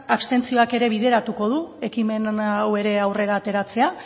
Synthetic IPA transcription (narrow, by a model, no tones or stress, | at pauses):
aβst̪e̞nt͡sio̞ake̞ɾe̞β̞iðe̞ɾat̪uko̞ð̞ue̞kime̞nawe̞ɾe̞awre̞ɾaːt̪e̞ɾat͡se̞a